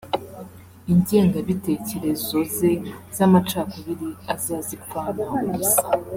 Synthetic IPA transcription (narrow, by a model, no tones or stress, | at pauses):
iɲɟe̞ːŋɡaβite̞ce̞ɾe̞zo̞ze̞z̥amat͡ʃaːkoβiɾiazaːzikwanauusḁ